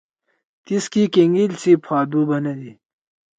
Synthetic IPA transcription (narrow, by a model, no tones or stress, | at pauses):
t̪iskikeŋɡilt͡sipʰaːd̪ubɐnɐd̪i